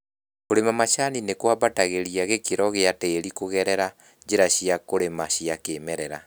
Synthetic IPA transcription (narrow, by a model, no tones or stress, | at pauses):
koɾemamaʃaninekwaβataɣeɾiaɣekeɾɔɣeateːɾikoɣɛɾɛɾa | d͡ʒeɾaɕiakoɾemaɕiakeːmɛɾɛɾa